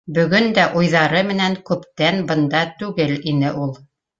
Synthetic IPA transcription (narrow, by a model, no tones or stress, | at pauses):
bɵ̆ɡɵnd̪æʔujðɑɾɤmɘ̆næŋkʉpt̪ænbɤ̆nd̪ɑt̪ʉɡɘlinɘʔulˠ